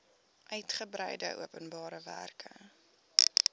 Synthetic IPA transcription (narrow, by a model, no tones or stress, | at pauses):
ʔœɥtχəbrɛ̰jdə̰ʔṵəpənbɑːɾəvæ̰rkʰə̰